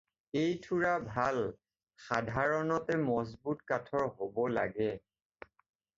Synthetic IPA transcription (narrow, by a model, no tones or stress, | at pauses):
ejtʰuɹabʱal | xadʱaɹɔnɔtɛmɔzbutkatʰɔɹɦobɔla̰ɡɛ